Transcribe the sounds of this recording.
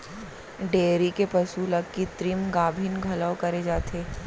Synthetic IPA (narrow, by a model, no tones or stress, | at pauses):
ɖeːɾikepɐsulɐɡkit̪ɾimɡaːbʱɪnɡʱɐləʊkɐɾed͡ʒaːt̪ʰeː